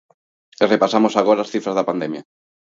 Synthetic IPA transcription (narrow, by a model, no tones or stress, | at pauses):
erepasamosaɣ̞oɾaːsθifɾazðapand̪emja